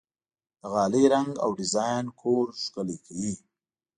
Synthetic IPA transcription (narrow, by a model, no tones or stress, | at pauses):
d̪̥əɣɑːleɾaŋɡa̰wɖɪzɑjnkʰoɾʃkəlekʰawi